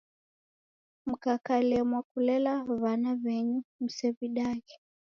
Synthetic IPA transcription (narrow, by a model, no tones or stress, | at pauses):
m̩kakalɛmwakulɛlaβanaβɛɲum̩sɛβiɗaɣɛ